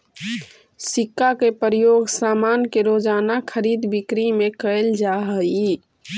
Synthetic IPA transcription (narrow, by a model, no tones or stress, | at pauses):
sikːakepəɾəjoɡsaːmankeɾod͡ʒaːnakʰəɾid̪bikɾimekəeld͡ʒaɦəi